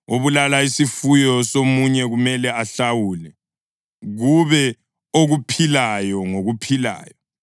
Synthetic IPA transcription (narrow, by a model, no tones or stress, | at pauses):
oβulalaisifujɔsomuɲɛɣumɛlɛaɬawulɛ | ɣuβɛ | oɣupʰilajɔŋoɣupʰila̰ːjɔ